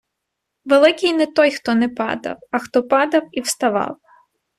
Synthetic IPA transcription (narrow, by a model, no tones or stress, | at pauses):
ʋelˠɪkɪjnɛt̪ɔjxt̪ɔnɛpɑ̰d̪ɐ̰wɐxt̪ɔpɑd̪ɐwiwst̪ɐʋɑ̰w